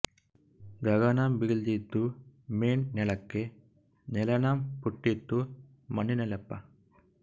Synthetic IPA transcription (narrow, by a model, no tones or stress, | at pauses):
ɡɐɣɐnaːmbɪɣld̪it̪ːumeːnnɛɭɐkːe | nɛlɐnaːmpuʈːit̪ːu | mɐnːinɐlɐpːa̰